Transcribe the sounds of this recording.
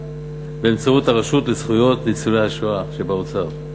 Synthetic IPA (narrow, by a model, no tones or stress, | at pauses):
beːmt͡sauthaʁaʃutlezχujo̞t̪lit͡sunejhaʃoaʃebaot͡saʁ